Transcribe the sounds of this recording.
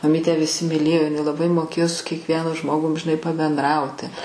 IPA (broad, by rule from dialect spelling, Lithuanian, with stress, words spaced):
mɐˈmʲiːtʲæː ʋʲɪˈsʲɪ mʲɪˈlʲeːjoː ɪˈnɐɪ lˠɐˈbɐɪ moːˈkʲeːjoː sʊ kʲiɛkˈʋʲiɛnʊ ˈʒmoːɡʊm ʒʲɪˈnɐɪ pɐbʲɛnˈdrɐʊtʲɪ